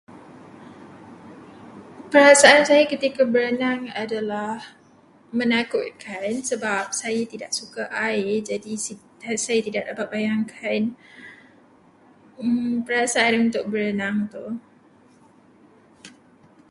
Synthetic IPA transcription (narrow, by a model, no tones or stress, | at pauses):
pəɾasaʔansajakət̪ikabəɾənaŋadalah | mənakʊt̪̚kʰansəbap̚sajat̪idaʔ̚sukaʔaɪd͡ʒadi | sajat̪idaʔ̚dapat̪̚bajaŋkʰan | pəɾasaanunt̪ʊk̚bəɾənaŋt̪u